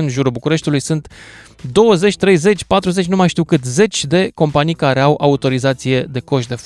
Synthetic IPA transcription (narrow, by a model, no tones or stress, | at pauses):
ɨnʒuɾubukuɾe̞ʃt̪ulujsɨnt̪ | d̪o̞wəze̞t͡ʃʲt̪ɾe̞jze̞t͡ʃʲpat̪ɾuze̞t͡ʃʲnumajʃt̪iwkɨt̪ze̞t͡ʃʲd̪e̞ko̞mpanijkaɾe̞awʔaut̪o̞ɾizat̪sije̞d̪e̞ko̞ʃt̪d̪e̞f